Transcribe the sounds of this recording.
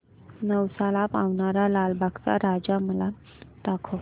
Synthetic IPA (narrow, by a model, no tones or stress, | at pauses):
nəwsalapaʋɳaɾalalbʱaɡt͡sa̰ɾad͡zaməla | d̪̥akʰo